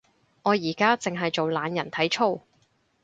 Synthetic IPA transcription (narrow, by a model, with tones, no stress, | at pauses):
ŋɔː˨˧jiː˨˩kaː˥t͡sɪ˨ŋɦɐ˨jt͡so˨wlaː˨˧njɐ˨˩nt̪ʰɐ˨˥jt͡ʃʰo˥˧w